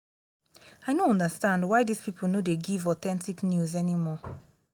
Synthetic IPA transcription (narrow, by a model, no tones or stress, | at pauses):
ajnoɔ̃ndəstãndwajdispipl̩nodeɡivɔtɛ̃ntiknjuzɛnimɔ